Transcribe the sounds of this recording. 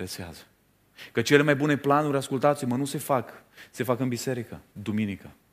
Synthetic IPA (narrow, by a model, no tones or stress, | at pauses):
ɾesea̰zə | kət͡ʃe̞le̞majbune̞planuɾʲaskult̪at̪imənuse̞fakse̞fakɨnbise̞ɾikəd̪uminikə